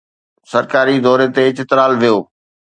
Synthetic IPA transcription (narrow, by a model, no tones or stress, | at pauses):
sɐɾkaːɾid̪ɔːɾet̪eɪt͡ɕɪt̪ɾaːlʋijoː